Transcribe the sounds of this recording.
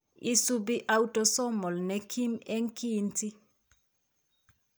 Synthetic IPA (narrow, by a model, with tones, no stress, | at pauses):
ḭ˦su˦bi˦ʔa˦wu˦tɔ˦sɔ˦mɔ˨lnɛ˨kʰi˦mɛ˦ŋki˦nti˦